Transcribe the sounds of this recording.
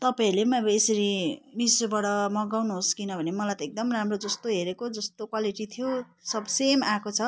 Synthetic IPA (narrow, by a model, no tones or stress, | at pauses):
t̪ʌpãilemʌbʌesʌɾinisobaɽʌmʌɡawnuɦoskinʌbʱʌnemʌlajt̪ʌek̚d̪ʌmramrod͡zʌst̪oɦeɾekod͡zʌst̪okwaliʈit̪ʰijo | sʌbʱsemakot͡sʰʌ